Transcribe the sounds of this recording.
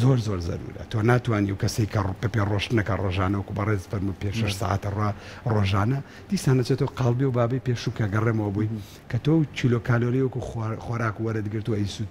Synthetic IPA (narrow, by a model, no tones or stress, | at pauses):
zoɾzoɾzɐ̰ɾṵːɾɐ̰t̪ʰonaːt̪waːniʔɐ̰wkɐsɐjkʰɐpeperoʃt̪nɐkɐroːʒaːnɐwɐkubɐreːzfɐɾmujpeʃɐʃsa̰ːʔa̰t̪ɐrwaː | roːʒaːnɐ | d̪̥iːsaːnɐt͡ʃet̪owqɑːlˠbiɛwbaːbɐjpeːʃukɐɡɐremɐwɐbuj | kʰɐt̪owt͡ʃʰilokʰaːloːlijwɐkuxwɐɾaːkuwɐɾɨd̪ɡɨɾt̪uɐjsut̪